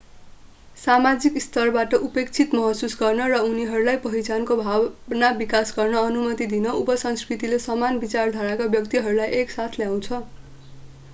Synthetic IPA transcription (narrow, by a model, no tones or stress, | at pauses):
samad͡zikst̪ʌrbaʈʌʔupekt͡sʰit̪mʌɦʌsusɡʌrnʌrʌuniɦʌɾulajpʌɦit͡sankobʱabnabikasɡʌrnʌːnumʌt̪id̪inʌʔupʌsʌnskrit̪ilesʌmanbit͡sard̪ʱʌɾakabjʌkt̪iɦʌɾulajʔeksat̪ʰljaw̃t͡sʰʌ